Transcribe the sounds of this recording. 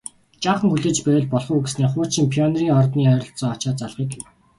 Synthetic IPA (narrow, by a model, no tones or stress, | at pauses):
t͡ɕaːχə̆ŋxuɮĕːt͡ɕpæːɮpɔɮχuːɡesneːχʊːt͡ɕʰĭmpʰiɔnriːŋɔrt̪niːœːɾʲɞ̆ɬt͡sɔːɔt͡ɕaːt͡saɮʁiːkew